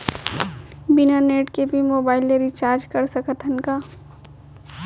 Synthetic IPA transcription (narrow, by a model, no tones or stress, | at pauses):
bɪnaneːʈkebʱimoːbaːɪlːeɾit͡ʃaːɾd͡ʒkɐɾsəkət̪ʰənkaː